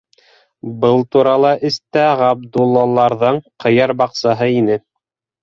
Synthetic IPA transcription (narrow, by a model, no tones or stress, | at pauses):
bɤlˠt̪uɾɑlˠɑʔɘ̆st̪æʁɑb̚d̪ulˠːɑlˠɑɾðɤɴqʰɤ̆jɑɾbɑqsɑɦɤinɘ